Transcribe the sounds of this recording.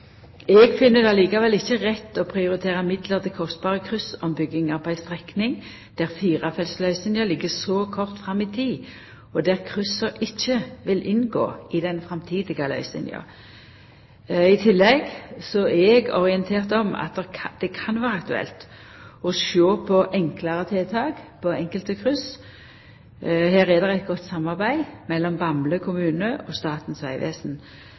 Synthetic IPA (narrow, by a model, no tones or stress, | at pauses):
ɛɡfɪnːəd̪ɑliːkɑʋɛlɪçːəʁɛt̪ːɔpʰʁɪʊɾɪt̪ʰeːʁəmɪd̪ləʁt̪ɛkʰɔst̪̚b̥ɑːʁəkʰʁʉsɔmbʏɡɪŋɑʁpʰɔæɪst̪ʁɛknɪŋ | d̪̥æʁfiːʁɑfɛlslœʏsɪnjəlɪɡːəsɔkʰɔʁt̪fʁɑmːit̪ʰiː | ɔd̪æʁkʰʁʉsəɾɪçːəʋɪlʔɪnɡo̰ːɪd̪ɛnfʁɛmt̪ʰiːd̪ɪɡɑlœ̰ʏsɪ̰njɑ̰ | ɪt̪ʰɪlːɛɡsɔɛɛɡɔ̰ʁɪənt̪ʰeːʁt̪ɔmɑ̰t̪̚d̪ɛd̪̥ɛkʰɑnʋæːʁəɑk̚t̪ʉɛ̰lt̪ | ɔʃoːpʰɔʔɛŋkləʁət̪ʰeːt̪ʰɑːɡpʰɔɛŋkəlt̪əkʰʁʉs | hæːʁɛd̪ɛʁɛt̪̚ɡɔt̪ːsɑmːɑʁbæɪmɛlːɔmbɑmləkʰʊmʉːnəʔɔst̪ɑːt̪n̩sʋæɪʋḛːsn